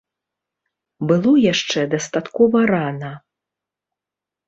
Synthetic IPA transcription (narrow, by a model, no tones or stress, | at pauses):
bɨlˠɔjaʂt͡ʂɛd̪ɐst̪at̪kɔvɐɾanɐ